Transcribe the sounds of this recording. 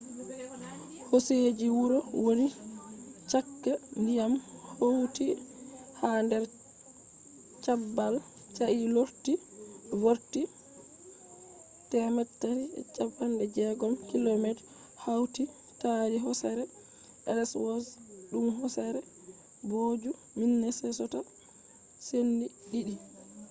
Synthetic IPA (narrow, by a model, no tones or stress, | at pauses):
hosed͡ʒiwuɾɔwoni | t͡ʃakːandijamhowtihandɛɾ | t͡ʃabːal | t͡ʃaʔiloɾti | voɾti | tɛmɛtːaɾiɛ̰t͡ʃapːandɛd͡ʒɛɡɔmkilomɛt | hawti | taɾiɦɔsaɾɛ | ʔɛ̰lɛswɔsɗumɦɔsaɾɛ | bod͡ʒu | minːɛsɛsɔta | senːiɗiɗi